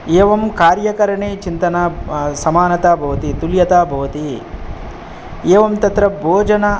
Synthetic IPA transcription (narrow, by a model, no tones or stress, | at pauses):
eːʋɐmkaːɾjɐkɐɾɐɳeːt͡ʃint̪ɐnasɐmaːnɐt̪aːbʱɐʋɐt̪it̪uljɐt̪aːbʱɐʋɐt̪i | eːʋɐmt̪ɐt̪ɾɐbʱoːd͡ʒɐnɐ